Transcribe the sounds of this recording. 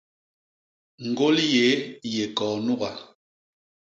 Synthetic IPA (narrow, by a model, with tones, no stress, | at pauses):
ŋ̩˨ɡo˦lje˨˦je˨kɔː˨nu˦ɣa˨